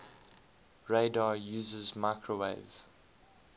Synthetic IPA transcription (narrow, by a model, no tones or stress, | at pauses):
ɹeɪdɑjuːzəzmaɪkʰɹəwḛɪv̥